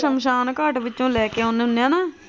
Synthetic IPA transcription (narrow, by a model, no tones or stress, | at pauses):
səmʃaːnkaːʈʋɪõːlɛːkeːʊnnːãːnaː